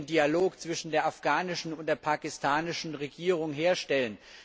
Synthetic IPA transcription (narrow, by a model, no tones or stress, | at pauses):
ndialoːkt͡sv̥ɪʃn̩deːɐʔafɡ̥aːnɪʃn̩ʊnt̚d̥eːɐpʰaːkɪstʰaːnɪʃn̩ʁeɡiːʁ̞ʊŋɦeːɐʃtɛlən